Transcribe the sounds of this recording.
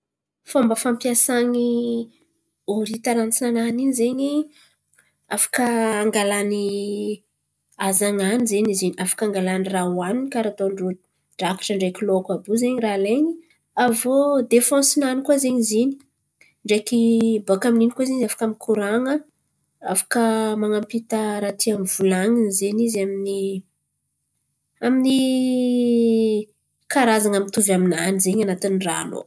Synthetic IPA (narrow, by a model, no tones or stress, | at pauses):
fambəfãmpjasaŋi | oɾit̪aɾant͡siananinizeɲi | afḁkəaŋɡalani | azaŋanizeɲizeniafḁkaŋɡalanirawaninikaɾat̪oɳɖ͡ʐo | ɖ͡ʐaki̥ʈ͡ʂəɳɖ͡ʐekiloakabuzeɲiraleɲi | avod̪efɔ̃sinanikuazeɲizini̥ | ɳɖ͡ʐekibokamininikazeɲafḁkamikʰuɾaŋə | afḁkəmaŋampit̪əɾat̪iamvulaŋinizenizamini | amini | kaɾazaŋamit̪uvaminanizeɲanat̪inra̰lo̰